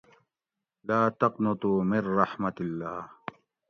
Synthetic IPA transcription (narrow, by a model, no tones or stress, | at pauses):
laːt̪ɐqnɐt̪umɪnːɑħmɐt̪ilːaː